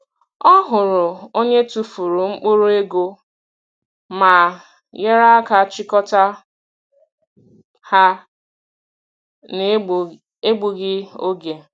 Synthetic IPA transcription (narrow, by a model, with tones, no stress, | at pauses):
ɔ˦ɦʊ˨ɾʊ˨o˦ɲe˦tu˨fu˨ɾu˨ŋ͡m̩˦k͡po˦ɾo˦e˦ɡo˦ | ma˨ | je˦ɾa˦a˦ka˨t͡ʃɪ˦kɔ˦ta˦ | ha˦ | n˨ | e˦ɡ͡bu˨ɡɪ˦o˦ɡe˨